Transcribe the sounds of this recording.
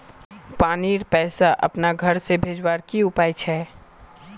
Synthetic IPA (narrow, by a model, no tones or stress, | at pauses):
paːniːɾpɛːsaʔɐ̰pnaɡʱɐɾsebʱeːd͡ʒwaːɾkiʊpaːit͡ʃʰɛː